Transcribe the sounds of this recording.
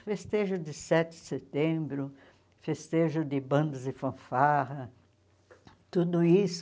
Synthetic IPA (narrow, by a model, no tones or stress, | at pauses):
fest̪eʒʊd̪ɪsɛt̪ɪɪset̪ẽbɾʊ | fest̪eʒʊd̪ɪbɐ̃nd̪ɐzd̪ɪfɐ̃faʁɐ | t̪ud̪ʊis